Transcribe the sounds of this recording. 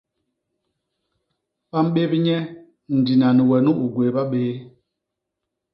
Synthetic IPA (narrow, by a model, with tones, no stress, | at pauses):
ɓa˦m̩˦ɓe˦bi˦ɲɛ˦ | n̩˨di˨na˨ni˨wɛ˨nu˦ʔu˨ɡwe˨ɓa˦ɓeː˨˦